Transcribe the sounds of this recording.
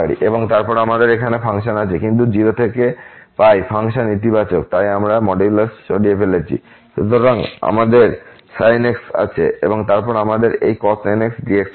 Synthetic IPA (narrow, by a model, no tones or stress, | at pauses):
aɾḭʔeboŋt̪aɾpɔɾamad̪eɾekʰanefaŋʃ̬anat͡ɕʰekint̪̬ud͡ʑiɾot̪ʰekepajfʰaŋʃanːit̪̬ibat͡ɕok̚t̪ajamɾamɔɖilasʃoɖiefelet͡ɕʰḭ | ʃut̪oɾaŋa̰mad̪eɾ | sajneksa̰t͡ɕʰḛḛboŋt̪aɾpɔɾamad̪eɾejkɔsajneksɖiek